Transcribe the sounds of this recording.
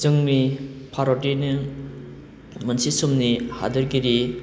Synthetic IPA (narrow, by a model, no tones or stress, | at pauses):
zɯŋnipʰaɾodinɯ | mɐnsisumniha̰dɯɾɡiɾi